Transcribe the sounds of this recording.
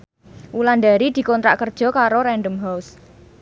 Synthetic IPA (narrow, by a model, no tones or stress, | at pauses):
ʔuland̪a̤ɾid̪̥i̤kɔnt̪ɾa̰ʔkərd̥ʒ̥ɔ̤kaɾoɾɛɳɖəmɦaws